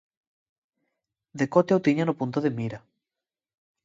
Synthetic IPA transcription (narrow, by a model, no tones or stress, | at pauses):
d̪ekot̪eawt̪iɲanopunt̪oðemiɾa